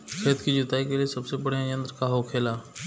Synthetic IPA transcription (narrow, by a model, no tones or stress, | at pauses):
kʰɾeːt̪kid͡ʒʊt̪aːikeliesɐbsebɐɽ̤jãjə̃nd̪ɾəkaɦoːkʰeːlaː